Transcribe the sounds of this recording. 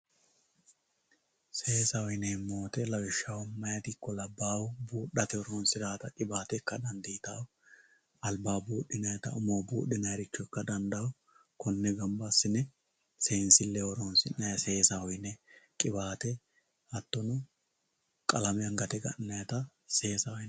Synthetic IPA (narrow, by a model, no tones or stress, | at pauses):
seːsɐhɔjnɛmo̞ːt̪ɛlɐwɪʃːɐwɔmːɐjɐt̪ɪkːɔlɐbːaːwbuːɗːɐt̪ɛɔɾoːnsɪd̪aːt̪ɐkʼɪbaːt̪ɛkːɐd̪ɐnd̪iːt̪aːw | ɐlbaːbuːɗːɪnɐjɐt̪ɐʊmowbuːɗːɪnɐjɾɪt͡ʃːɔkːɐd̪ɐnd̪ɐwɔ | kɔnːɛɡɐmbɐsːɪnɛ | sensɪlːɛɔɾoːnsɪnːɐjɐseːsɐhɔjnɛkʼɪbaːt̪ɛ | ɐt̪ːɔnʊ | kʼɐlɐmɛɐŋɡɐt̪ɛɡɐ̰ʔnːɐjɐt̪ɐ | seːsɐwɔ